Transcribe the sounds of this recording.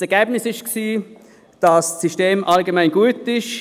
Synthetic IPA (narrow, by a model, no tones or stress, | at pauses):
ɛɐɡ̥ɛːbnɪsɪʃksiː | d̥ɑssiʃteːmʔɑlɡemæɪnɡuətɪʃ